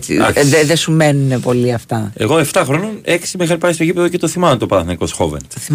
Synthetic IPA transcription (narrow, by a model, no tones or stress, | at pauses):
t͡sḭðeðesumenunepo̞liɐft̪ɐe̞̰ɣo̞e̞ft̪ɐxɾo̞noneksimixɐlipɐjst̪ocipeðocet̪o̞θimɐmnt̪opɐɐθnɐikosxo̰vḛn